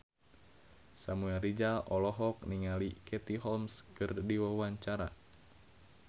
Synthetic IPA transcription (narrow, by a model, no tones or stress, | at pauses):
samuɛlrid͡ʒaʔɔlɔɦɔk̚niŋalikʰɛt̪iɦɔlmskɨrdiwawaɲt͡ʃaɾa